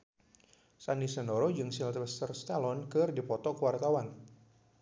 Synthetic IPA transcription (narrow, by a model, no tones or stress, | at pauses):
sanisənoɾod͡ʒɨŋsilt̪əst̪ərst̪alɔnkɨrdipɔt̪ɔkəwart̪awan